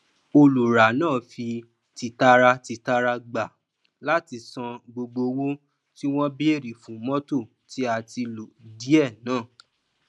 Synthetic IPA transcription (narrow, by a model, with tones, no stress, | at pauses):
o˧lu˨ɾa˨nãː˦˨fi˧ | ti˧ta˦ɾa˦ti˧ta˦ɾa˦ɡ͡ba˨ | la˦ti˧sã˧ɡ͡bo˧ɡ͡bo˧wo˦ | ti˦w̃ɔ̃˦bi˦e˦˨ɾi˨fũ˨˦mɔ̃˦to˦˨ | ti˦a˧ti˧lo˨di˨˦ɛ˦˨nãː˦˨